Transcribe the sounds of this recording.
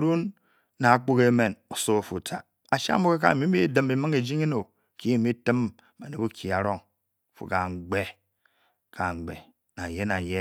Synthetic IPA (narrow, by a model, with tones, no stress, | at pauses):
ɾu˦nː | a˨a˦k͡po˦ke˦me˨no˨so˦a˨fu˨tʰa˨ | a˨ʃa̰˦mo˦ke˦ka̰˦˨mi˦mi˦dɨ˦mbi˨mɨ˦ŋe˨d͡ʒi˦ŋe˦no˨ | ki˦e˦˨mi˦tɨ˦m | ma˨ne˨bu˦kʰi˨a˨ɾo˦ŋ˨ | fṵ˨ka˨ŋ͡m̩˨ɡ͡be˦ | kʰa˨ŋ͡mɡ͡bḛ˨ | na˨je˦na˨je˦